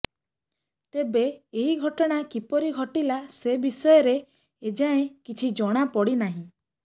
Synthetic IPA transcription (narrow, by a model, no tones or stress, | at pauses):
t̪ebeːɦiɡʱɔʈɔɽ̃akipɔɾiɡʱɔʈilasebisɔjɔɾe | ed͡ʒaẽkit͡ʃʰid͡ʒɔɽ̃apɔɽinaɦĩ